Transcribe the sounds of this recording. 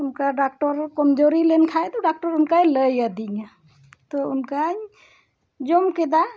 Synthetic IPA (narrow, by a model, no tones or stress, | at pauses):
unkaɖak̚ʈɔɾkɔmd͡ʒoɾilenkʰajt̪ɔɖak̚ʈɔɾunkajləjəd̪iɲa | t̪ɔunkaj | d͡ʒomked̪a